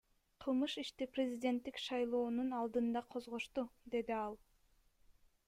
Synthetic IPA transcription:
qʰɯlˠmɯʃiʃt̪iprʲezʲidʲe̞nt̪ːikʃɑjlˠo̞ːnunɑlˠd̪ɯnd̪ɑqʰo̞zʁo̞ʃt̪ud̪e̞d̪iɑlˠ

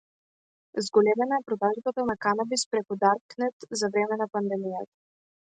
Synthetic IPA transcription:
zɡɔlɛmɛnaɛpɾɔd̪aʒbat̪anakanabispɾɛkud̪aɾknɛt̪zavɾɛmɛnapand̪ɛmijat̪ḁ

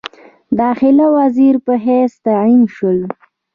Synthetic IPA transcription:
d̪ɑxɪlawaziɾpəɦɛst̪ainʃəl

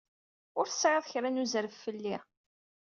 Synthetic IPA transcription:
ʊɾθə̥sʕeðˤçɾænuzɾəfːəlːi

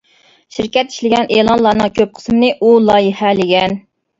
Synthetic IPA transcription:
ʃiɾkʲɛt̪i̥ʃlɪɡʲɛnʔeːlˠɑnlˠɑːnɨŋkʲʰøp̚qʰə̥smɪnɨʔulˠɑːjɪhɛlɪɡʲɛn

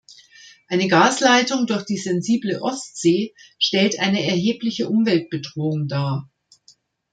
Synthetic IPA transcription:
ʔaɪnəɡaːslaɪtʊŋdʊɐçd̥iːzɛnziːbləʔɔstz̥eːʃtɛltʔaɪnəɛɐɦeːplɪçəʔʊmvɛlt̚b̥ədʁoːʊŋdaːɐ

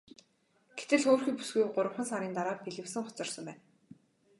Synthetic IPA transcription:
ɡ̥et̪ɘ̆ɮoːrxiːpu̥sɡujɢʊɾə̆χə̆nsaɾiːnt̪aɾaːpiɮɘ̆wsɘ̆ŋχʊt͡sɞ̆rsə̆mpæːn

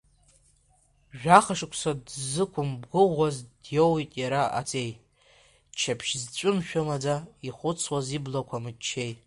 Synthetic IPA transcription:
ʒᶣaχaʂɨkʷʰʼsadzɨkʷʰʊmbɡɨʁʷazdjowitʼjaɾaa̰t͡sʼe̞j | t͡ʃʰapʰʃzt͡ʃʷʼʊmʃᶣʊmad͡zaiχʷʊt͡sʰwaziblakʷʰamɨt͡ʃʰːej

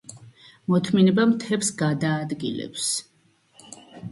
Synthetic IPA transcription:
mɔt̪ʰminɛbamt̪ʰɛpsɡad̪aːd̪ɡḭlɛ̰ps

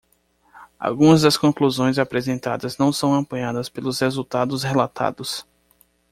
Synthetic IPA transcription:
a̰wɡũɐzd̪ɐskõkluzõj̃zapɾezẽnt̪a̰d̪ɐznɐ̃w̃sɐ̃w̃ɐ̃mpɐ̃ɲad̪ɐspelʊshezut̪ad̪ʊshelat̪ʰa̰d̪ʊs

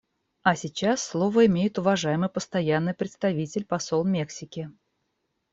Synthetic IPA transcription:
ɐsʲɪt͡ɕasːlˠo̞vəɪmʲejɪt̪ʊvɐʐajɪmɨjpəst̪ɐjanːɨjpɾʲɪt̪st̪ɐvʲitʲɪlʲpɐso̞lˠmʲe̞ksʲɪkʲɪ

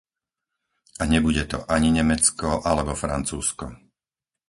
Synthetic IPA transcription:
aɲɛbuɟɛt̪ɔ̰ʔaɲiɲɛmɛt͡skɔʔalɛbɔfɾa̰nt͡suːskɔ̰

